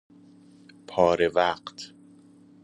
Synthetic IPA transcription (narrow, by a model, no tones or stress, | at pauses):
pʰɒːɾevæːɢt̪ʰ